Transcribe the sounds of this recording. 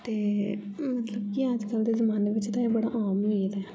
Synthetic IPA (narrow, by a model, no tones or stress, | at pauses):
t̪eːmət̪ləb̚kiəd͡ʒkəld̪eːzəmaːneːʋɪt͡ʃt̪ãːeːbəɽaʔaːmid̪ɛ